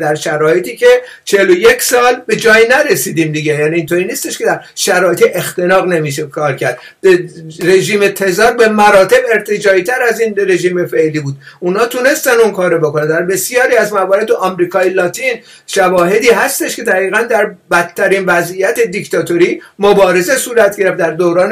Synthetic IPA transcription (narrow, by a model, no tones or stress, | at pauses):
d̪æɾʃæɾɒːjet̪iːce̞ | t͡ʃʰe̞loje̞cʰsɒːlbe̞d͡ʒɒːjnæɾesiːd̪iːmd̪iɟejæːniːnt̪ʰoːɾiːniːst̪e̞ʃkʰe̞d̪æɾʃæɾɒːjet̪iʔe̞xt̪e̞nɒːɣne̞miːʃ̬ekʰɒːɾcʰæɾd̪̥ | re̞ʒiːmet̪ʰe̞zɒːɾbe̞mæɾɒːt̪ʰe̞be̞ɾt̪ʰed͡ʒɒːit̪ʰæɾæzinre̞ʒiːmefe̞liːbuːd̪unhɒːt̪ʰune̞st̪ænd̪unkʰɒːɾobokonænd̪æɾbe̞sijɒːɾiːæzmævɒːɾe̞d̪eʔɒmɾiːkʰɒːjelɒːt̪ʰin | ʃævɒːɦe̞d̪iːɦæst̪e̞ʃkʲʰe̞d̪æʁiːɣænd̪æɾbæt̪ʰːæɾiːnvæzijæt̪e̞d̪ict̪ɒːt̪ʰoɾiːmobɒːɾe̞ze̞suːɾæt̪ʰɡe̞ɾeft̪d̪æɾd̪oɾɒːn